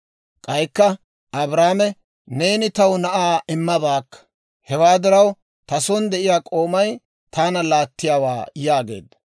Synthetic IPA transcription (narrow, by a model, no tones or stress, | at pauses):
kʼɐjkːɐ | ʔɐbɾaːmɛ | ne̞ːnɪt̪ɐwnɐʔaːɪmːɐbaːkːɐ̥ | hɛwaːd̪ɪɾɐw | t̪ɐsɔnd̪ɛʔɪjaːkʼo̞ːmɐj | t̪ʰaːnɐlaːt̪ːɪjaːwa̰ːjaːɡe̞̰ːd̪ːɐ̥